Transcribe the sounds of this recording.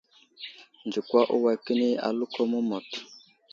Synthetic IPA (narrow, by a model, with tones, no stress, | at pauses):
nd͡ʒi˨kwa˦ʔu˦wa˨ki˦ni˦a̰˨lu˦kʰɔ˦mu˦mɔ˨t